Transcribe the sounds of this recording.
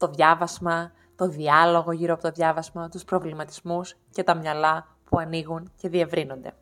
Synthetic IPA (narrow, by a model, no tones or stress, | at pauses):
t̪o̞ðʝɐvɐzmɐ | t̪o̞ðiɐlo̞ɣo̞ʝiɾoɐpo̞t̪oðʝɐvɐzmɐt̪uspɾo̞vlimɐt̪izmus | ce̞t̪ɐmɲɐlɐ | puɐniɣunce̞ðie̞vɾino̞nd̪e̞̰